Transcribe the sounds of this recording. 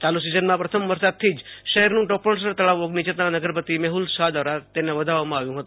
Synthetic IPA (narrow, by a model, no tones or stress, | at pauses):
t͡ʃ̪alusizənmãpɾət̪ʰəmʋəɾsad̪̚t̪ʰːid͡ʒʃəɦɛɾnũʈɔpoɳs̬əɾt̪əɭaʋoɡnit͡ʃət̪nanəɡəɾpət̪imɛɦulsad̪əʋɾat̪eneʋəd̪ʱaʋamãaʋjũɦət̪ũ